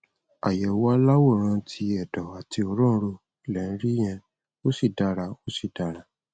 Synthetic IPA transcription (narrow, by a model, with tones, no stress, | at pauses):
a̰˨jɛ˨wa˦la˦wo˦˨ɾ̃ã˧tʰi˧ɛ˨dɔ˨a˨ti˧ɔ˧ɾɔ̃˦˧ɾo˧˨ | lɛ˨ñ̩˦ɾi˦j̃ɛ̃˧ | o˦si˦˨da˧ɾa˧o˦si˦˨da˨ɾa˧˦